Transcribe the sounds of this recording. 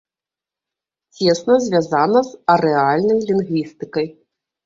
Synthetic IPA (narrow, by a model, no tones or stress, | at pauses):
t͡sʲɛsnɐzʲvʲazanɐzɐɾɛalʲnɐjlʲinɣvʲist̪ɨkɐj